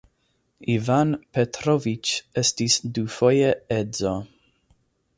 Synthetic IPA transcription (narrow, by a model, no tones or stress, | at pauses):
ivanpetɾovit͡ʃestisdufojeɛdzo